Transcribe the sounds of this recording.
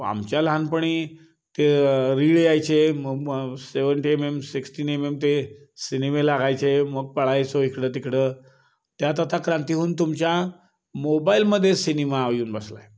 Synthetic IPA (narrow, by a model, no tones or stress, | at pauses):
a̰mt͡ɕjalɦanpəɳ̃i | t̪eɾiɽeajt͡ɕeməɡseʋəɳʈiememsiksʈiːnememt̪e | sinimelaɡajt͡ɕeməɡ̚pəɭajt͡soɦikɽət̪ikɽə | t̪jat̪at̪akɾant̪iɦuːnt̪̬umt͡ɕja | mobailməd̪ʱːjesinimaːʋjuːnbəsla̰j